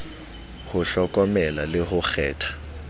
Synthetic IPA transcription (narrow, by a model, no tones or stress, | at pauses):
hʊɬɔkʼɔmɛlalɪhʊxɛːtʰḁ